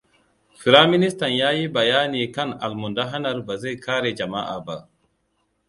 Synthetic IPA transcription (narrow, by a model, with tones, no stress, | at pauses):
fi˨ɾa˦mi˦ni˦sta˨nja˦ji˦ba˨jaː˦ni˨ka˦na̰˨lmu˨nda˦ɦa˦na˦ɾba˨zɛ˦kaː˦ɾɛ˨d͡ʒa˨ma˦ʔa̰˨ba˨